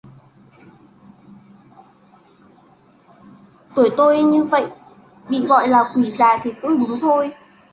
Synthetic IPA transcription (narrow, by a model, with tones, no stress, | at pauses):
t̪u˧˩əjt̪o˧jɲɨ˧və̰˧˨jʔ | ɓḭ˧˨ɣɔ̰˧˨jlaː˨˩kwi˧˩zaː˨˩t̪ʰi˨˩kʊ̰˧˥ŋ͡mɗu˨˦nt̪ʰo˧j